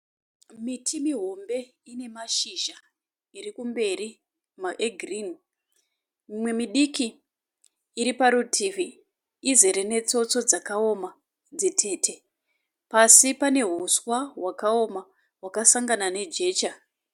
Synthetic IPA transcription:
mitʰimiɦo̞mbe̞ | ine̞maʃiʒa | irikumbe̞ɾi | maʔeɡʱrin | mimwe̞miɗikiː | ɾipaɾutʰivi | izeɾe̞ne̞t͡so̞t͡so̞d͡zakao̞ma | d͡zitʰe̞ːtʰe̞ | pasipane̞ɦuswaɦwakao̞ma | ɦwakasaŋɡanane̞d͡ʒe̞ːt͡ʃa

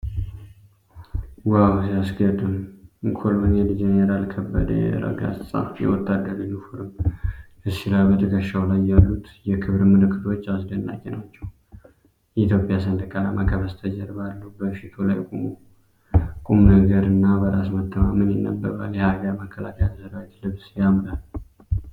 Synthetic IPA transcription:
wawsiasɡəd̪ʼɨmɨŋkʰolmɨnɛd̪d͡ʒenəɾalkʰəbːə̰d̪ə̰jɛ̰ɾə̰ɡa̰ssʼa̰jɛ̰wɔt̪ʰːad̪ːəɾɨnufuɾɨm | ɨsːilajbət̪ʼʰəkʼəʃawlajːalːut̪jɛkʰɨβɾmɨlɨkʰːɨt̪ʰo̞t͡ʃːas̬ɡənːa̰kʼɛnat͡ʃːɛw | jɛit̪ʰjo̞pʼjas̬ənd̪kʼalamakʰəβəst̪ʰəd͡ʒəɾbalːəhbəʃit̪ʰolajkʼumu | kʼumnəɡəɾɨnːabəɾasmət̪ʰːəmamənjɪnːə̰bːəɾa̰ljɛhaɡaɾməkʰːəla̰kʰəjat̪səɾawit̪lɨβsjamlal

